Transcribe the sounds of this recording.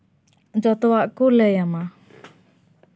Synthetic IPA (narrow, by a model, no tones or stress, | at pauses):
d͡ʒɔt̪ɔwaʔkɔlɛjama